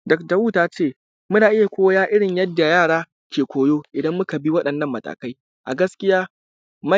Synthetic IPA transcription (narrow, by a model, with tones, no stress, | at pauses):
dɐ˨k̚da˨wuː˦taː˦t͡ʃeː˦˨ | mʊ˦naː˨ʔɪ˦ja˨kʷoː˦jaː˦ʔɪ˦ɽɪ˨ɲjɐ˦dːa˨jaː˦˨ɽaː˦ | kʲeː˨kʷoː˨joː˦ʔɪ˨dɐ˦mːʊ˦ka˨bi˦wɐ˦ɗɐ˨nːɐ˦˨mːɐ˨tʼa̰ː˨ka˦j | ʔa̰˨ɡɐ˦skʲɪ˦jaː˦ | mɐ˦